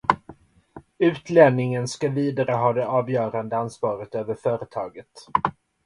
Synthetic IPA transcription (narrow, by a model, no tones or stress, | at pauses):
ʉ̟ːt̪lɛnnɪŋənskaviːd̪aɾəɦɑːd̪ɛʔɑːvjœːɾand̪əansvɑːɾət̪øːvəɾfœːɾət̪ʰɑːɡət̪